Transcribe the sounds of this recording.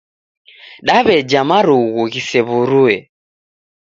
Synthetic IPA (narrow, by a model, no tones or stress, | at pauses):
ɗaβɛd͡ʒamaɾuɣuɣisɛβuɾuɛ